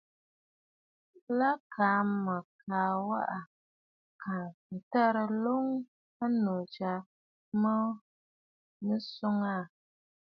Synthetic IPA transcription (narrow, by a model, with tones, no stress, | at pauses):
la˦kʰaː˨˦mə˨kʰaː˨wa˦ʔa˨ | kʰa˨n̩˨tɛ˦ɾə˦lo˦ŋ | a˦no˨d͡ʒa˨ | mə˦ | nɨ˦sʊ˦ŋa˦˨